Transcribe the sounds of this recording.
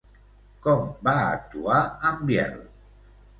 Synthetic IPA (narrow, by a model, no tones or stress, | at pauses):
kɔmbaək̚t̪uaəmbjɛ̰l